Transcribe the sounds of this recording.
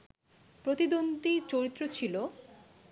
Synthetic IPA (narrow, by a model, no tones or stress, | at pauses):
pɾot̪id̪ond̪it͡ɕoɾit̪ːɾot͡ɕʰilo